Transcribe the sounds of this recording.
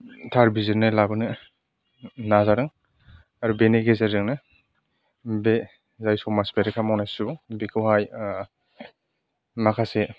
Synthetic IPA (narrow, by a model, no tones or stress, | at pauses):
tʰaɾbizɯnɯlabɯnɯ | nazaɾɯŋ | aɾubeneɡezeɾzɯŋnɯ | be | zajsɔmaspeɾɯkʰamawnajsubekʰɯwhaj | makʰase